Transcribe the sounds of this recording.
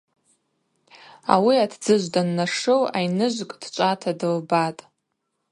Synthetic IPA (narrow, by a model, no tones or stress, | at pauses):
a̰wiatʰd͡zɨʒʷdanːaʂowajnɨʒʷkʼd̥t͡ʃʷʼatʰadɨlbatʼ